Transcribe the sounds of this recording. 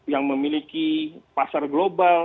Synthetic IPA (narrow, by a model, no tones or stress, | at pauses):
jaŋməmilikipasarɡlobal